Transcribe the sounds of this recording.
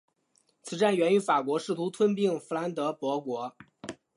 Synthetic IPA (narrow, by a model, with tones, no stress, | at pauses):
t͡sʰɹ̩˨˩ʈ͡ʂa˥˩nɥɛ˧˥ny˧˥fa˨˩kwɔ˧˥ʂɻ̩˥˩t̪ʰu˧˥t̪ʰwə˥npi˥˩ŋfu˧˥la˧˥nt̪ɤ˧˥pwɔ˧˥kwɔ˧˥